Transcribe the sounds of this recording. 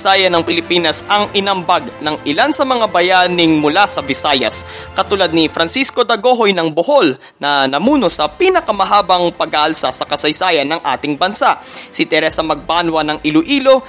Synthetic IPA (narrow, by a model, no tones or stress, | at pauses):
saːjɐnɐŋpɪlɪpiːnɐsɐŋʔɪnɐmbaɡ̚nɐŋʔɪlansɐmɐŋabɐjaːnɪŋmʊlasɐbɪsaːjɐ̰s | kɐt̪ulad̪̚nifɾɐnsisko̞d̪ɐɡo̞ɦo̞jnɐŋboho̞l | nɐnɐmuːno̞sɐpiːnɐkɐmɐɦaːbɐŋpɐɡaʔɐlsɐsɐkɐsɐjsaːjɐnːɐŋʔa̰ːt̪ɪŋbɐnsaʔsɪt̪ɛɾɛsɐmɐɡ̚paːnwɐnɐŋɪlʊʔiːlo̞